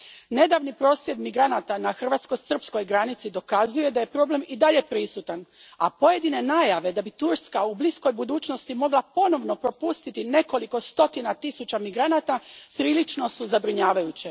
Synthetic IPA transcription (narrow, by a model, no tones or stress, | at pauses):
ne̞d̪aʋnipɾo̞ːsʋje̞d̪miɡɾanat̪anaxr̩ʋaːt̪sko̞sər̩psko̞jɡɾanit̪sid̪o̞kazuje̞d̪aje̞pɾo̞ble̞mid̪aʎe̞pɾisut̪ana̰po̞je̞d̪ine̞naːjaʋe̞d̪abit̪uɾskaublisko̞jbud̪uːt͡ɕno̞st̪imo̞ɡlˠapo̞no̞ʋno̞pɾo̞pust̪it̪ineko̞liko̞st̪o̞t̪inat̪isut͡ɕamiɡɾanat̪apɾiːlit͡ʃno̞suzabɾiɲaːʋajut͡ɕe